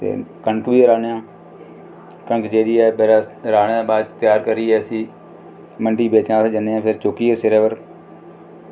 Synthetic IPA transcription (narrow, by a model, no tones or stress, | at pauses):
t̪ḛːkəɳəkʋiːɾaːneːãː | kəŋkt͡ʃeːɾiːɛːbɛːɾaːɾaːɳeːãːbaːd̪t̪ɪjaːɾkəɾiːɛːəsĩː | məɳɖiːbeːt͡ʃãːsːd͡ʒəneãːpʰɪɾt͡ʃoːkiːɛːseɾɛːʋəɾ